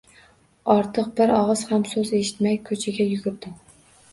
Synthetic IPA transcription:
ɒɾt̪ʰɨq̚bɪɾɒʁɨz̥hamsɵze̞ʃɪ̥t̪majkʰɵt͡ʃʰɪɡʲajʊɡʲʊp̚d̪ɪ

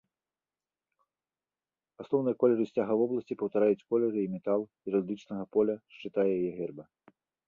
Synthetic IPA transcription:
asnɔwnɨjɐkɔlʲɛɾɨsʲt͡sʲaɣɐvɔblˠɐsʲt͡sʲipɐwt̪aɾajut͡sʲkɔlʲɛɾɨimʲɛt̪alˠ | iɾɔd̪ɨt͡ʂnɐɣɐpɔlʲɐʂt͡ʂɨt̪ajɛjajɛɣʲɛrbɐ

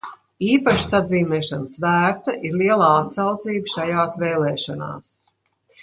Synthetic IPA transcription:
iːpaʃsad̪ziːmɛːʃanəsvæːɾt̪aʔiɾliɛlˠaːat̪sawt̪ziːbəʃajaːsvɛːlɛːʃɔna̰ːs

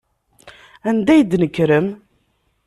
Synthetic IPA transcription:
ænd̪æjəd̪nəkːɾəm

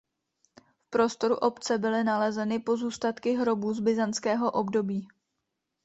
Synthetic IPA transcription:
fpɾo̞st̪o̞ɾuʔo̞pt͡sɛbɪlɪnalɛzɛnɪpo̞zuːst̪at̪kɪɦɾo̞buːzbɪzant͡skɛːɦo̞ʔo̞bdo̞biː

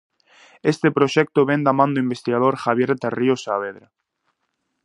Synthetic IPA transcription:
est̪epɾoʃɛk̚t̪oβɛnd̪amãnd̪ʊimbest̪iɣað̞oɾxaβjeɾt̪eriosaβeðɾa

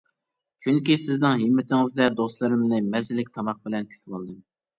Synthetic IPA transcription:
t͡ʃʰyŋkʲisɪznɪŋɦimːɪt̪ʰɪŋɪzd̪ɛd̪oslˠɨɾɨmnɨmɛzɪlɪk̚ʲt̪ʰɑmɑχ̚bɪlɛnkʲʰy̥t͡ʃʰwɑlˠd̪ɨm

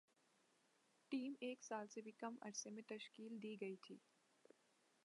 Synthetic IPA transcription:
ʈiːmeːksaːlsebʱikɐmɐ̰ɾsemẽt̪ɐʃkiːld̪iːɡɐit̪ʰḭː

